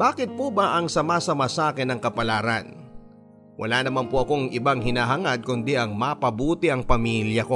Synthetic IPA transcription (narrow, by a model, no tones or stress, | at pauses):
b̥aːkɪt̪̚puːbɐʔɐŋsɐmasɐmɐsaːkɛnɐŋkɐpɐlaːɾɐn | wʔɐ̰laːnɐmanpoʔɐko̞ŋʔɪbaŋhɪnaːɦɐŋad̪̚kʊnd̪iʔɐŋmɐpɐbuːt̪ɪʔɐŋpɐmiljɐko̞